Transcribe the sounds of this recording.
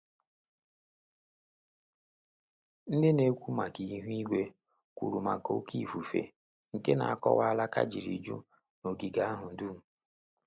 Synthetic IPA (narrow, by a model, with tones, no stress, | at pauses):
n̩˦dɪ˦ne˦kʷu˦ma˨ki˨˦ɦu˦i˦ɡʷe˦ | kʷṵ˨ɾu˨ma˨ko̰˦kʰi˦˨fu˨fḛ˨ | ŋ̩˨ke˦na̰˨a˦kɔ̰˦wa˦a˦la˦ka̰˦d͡ʒi˨ɾḭ˨d͡ʒṵ˦ | no˨ɡi˨ɡa˦a˦ɦʊ˨n̩˨du˦m̩˨